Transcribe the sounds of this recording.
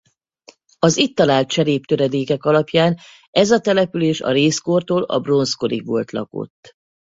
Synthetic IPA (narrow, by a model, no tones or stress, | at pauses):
ɒzit̪ːɒlaːlt̪̚t͡ʃɛɾeːp̚t̪øɾɛd̪eːkɛkɒlɒpjaːn | ɛzɒt̪ɛlɛpyleːʃɒ̰ɾeːskort̪oːlɒ̰bro̞nsko̞ɾiɡʋo̰lt̪lɒ̰ko̞̰t̪ː